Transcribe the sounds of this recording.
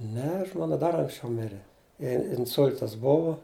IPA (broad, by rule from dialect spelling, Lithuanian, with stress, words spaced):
ˈnʲɛ ˈʒmoːnɐ ˈdɐr ɐŋksʲˈt͡ʃʲɛʊ ˈmʲɪrʲɛ ˈjɛɪ ɪnˈsʊlʲtɐs ˈbʊʋoː